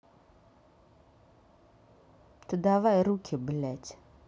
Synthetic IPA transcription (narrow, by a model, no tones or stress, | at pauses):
t̪ɨd̪avajɾukʰʲɪbɨlætʲ